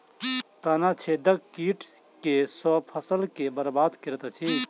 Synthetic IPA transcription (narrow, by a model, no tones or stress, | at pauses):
t̪anat͡ʃʰed̪əkkiʈskesɔpʰəsəlkebəɾbaːd̪kiɾt̪at͡ʃʰi